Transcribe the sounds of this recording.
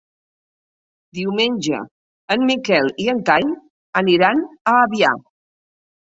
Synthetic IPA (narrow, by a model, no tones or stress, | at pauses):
d̪iwmenʲʒə̰ | ənmikɛlˠiənt̪aɲ | əniɾanəːβia̰